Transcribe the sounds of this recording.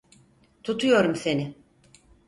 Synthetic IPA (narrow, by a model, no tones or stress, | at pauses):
t̪ʰut̪ʰujo̞ɾumse̞nɪ